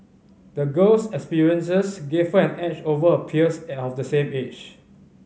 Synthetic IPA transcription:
dəɡəlsɛkspiɹiə̃nsəsɡev̥həɛ̃nɛt͡ʃovəəpʰiəsɔfdəsẽmet͡ʃ

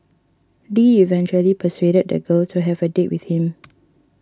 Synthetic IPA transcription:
diivɛ̃nt͡ʃuəlipʰəsweɾəd̚də̰ɡəltʰuɦɛvədeʔ̚wiθhĩm

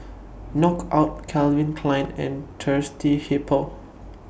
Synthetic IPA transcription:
nɔkʔaʊt̚kʰɛlvĩnkʰlãj̃nɛ̰̃ntʰɜstʰihipʰəl

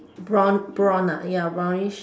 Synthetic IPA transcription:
bɔnbɹɔ̃najabãɹiʃ

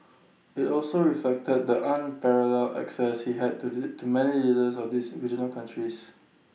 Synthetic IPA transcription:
ɪtɔlsoɹiflɛk̚təd̚dəʔãnpɛɹəlɛlɛ̰ksɛshiɦɛd̚tumɛnilidəsɔfdisɹid͡ʒənəlkʰãntʰɹis

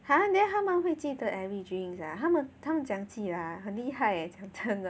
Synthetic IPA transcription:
hanat̪ʰamənweɪt͡ɕid̪əʔɛɹidiŋsat̪ʰamənt̪ʰamənt͡ɕjaŋt͡ɕʰilahənliɦaɪet͡ɕjaŋʈ͡ʂʰəŋ

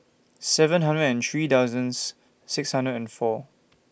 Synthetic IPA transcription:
sɛvə̃nɦãndɹədɛ̃nθɹiːtawzə̃nsː | ɪkshãndɹədɛ̃nfɔ

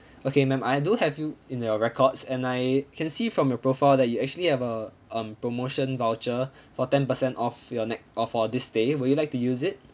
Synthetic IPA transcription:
okʰemɛ̃maɪduhɛvjuĩnjɔɹɛkʰɔdsɛ̃najkʰɛ̃nsifɹɔ̃mjɔpɹofaɪldɛt̚juɛk̚t͡ʃuəlihɛvə | ʌ̃mpɹomoʃə̃nvaʊt͡ʃə | fɔtɛ̃npəsɛ̃ntɔfjɔnɛk̚ɔfɔdɪsdewɪjulaɪk̚tujuzɪt̚

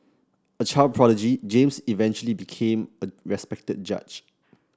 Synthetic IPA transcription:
ət͡ʃaɪl̚pʰɹ̥ɔləd͡ʒid͡ʒẽmsivɛ̃nt͡ʃuəlibikʰẽməɹɛspɛk̚təd̚d͡ʒa̰t͡ʃ

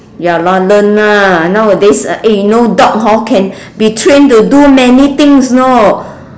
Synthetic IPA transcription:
jalɔlə̃nːanawədesʔejunodɔk̚ɦawkʰɛ̃n | bitʰɹẽntudumɛnit̪ɪ̃ŋsno

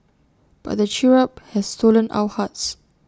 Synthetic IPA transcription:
b̥a̰t̚dət͡ʃiɹəp̚hɛsstolə̃nʔa̰wəhats

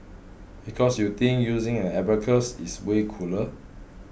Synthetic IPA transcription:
bikʰɔsjut̪ĩŋjuzĩŋɛ̃nɛbəkʰəsiswekʰulə

